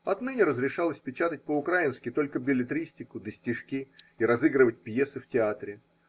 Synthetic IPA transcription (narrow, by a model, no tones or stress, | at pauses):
ɐt̪nɨnʲɪɾəzɾʲɪʂalˠəsʲpʲɪt͡ɕat̪ətʲpəʊkɾaɪnskʲɪt̪o̞lʲkəbʲɪlʲɪt̪ɾʲisʲtʲɪkʊd̪əsʲtʲɪʂkʲi | iɾɐzɨɡɾɨvət̚ʲpjesɨftʲɪat̪ɾʲɪ